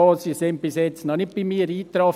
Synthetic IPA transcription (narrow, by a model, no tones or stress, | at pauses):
ɔsisɪnt̚b̥ɪsjɛt͡snɔnɪt̚b̥imiːəɾiːt̪ɾɔ